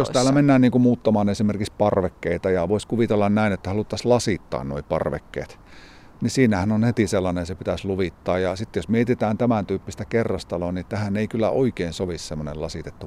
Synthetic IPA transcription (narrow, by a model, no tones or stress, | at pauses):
jost̪æːlːˑæmenːæːnniːŋkumuːt̪ːɑmɑːnesimerkikspɑrʋekːeit̪ɑjɑʋoiskuʋit̪elːɑnnæinet̪ːæhɑlut̪ːɑslɑsit̪ːɑ̰ːnno̰ipɑ̰rʋḛkːḛːt̪ | nisiːnæhænonhet̪iselːɑnesepit̪æsluʋit̪ːɑːjjɑsit̪ːjosmiet̪it̪æːnt̪æmænt̪yːpːist̪ækerːɑst̪ɑlonit̪æhæneikylːæ̰ʔoikeinsoʋissemːonḛlɑsit̪et̪ːu